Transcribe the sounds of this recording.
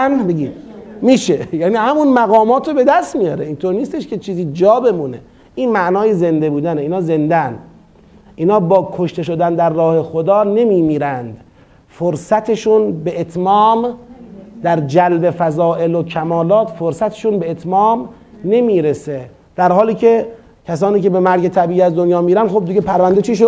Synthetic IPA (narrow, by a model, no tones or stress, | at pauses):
nbeɡiːd̪miːʃejæːniːhæmunmæɣɒːmɒːt̪ʰɾobe̞d̪æst̪mijɒːɾeiːnt̪ʰoɾniːst̪e̞ʃke̞t͡ʃʰiːziːd͡ʒɒːbe̞muːne | ʔiːnmæʔnɒːjeze̞nd̪e̞buːd̪æneiːnhɒːze̞nd̪ænd̪ | ʔiːnhɒːbɒːkʰoʃt̪e̞ʃo̞d̪ænd̪æɾːɒːhe̞xod̪ɒːne̞miːmiːɾænd̪ | foɾsæt̪ʰeʃunbeʔet̪ʰmɒːm | d̪̥æɾd͡ʒælbe̞fæzɒːʔe̞lokʰæmɒːlɒːt̪foɾsæt̪ʰe̥ʃunbeet̪ʰmɒːm | ne̞miːɾese | d̪̥æɾhɒːliːcʰe̞ | cʰæs̬ɒːniːcebemæɾɡe̞t̪ʰæbiːiːæzd̪onjɒːmiːɾænd̪χob̚d̪iɡepʰæɾvænd̪et͡ʃʰiːʃ̬o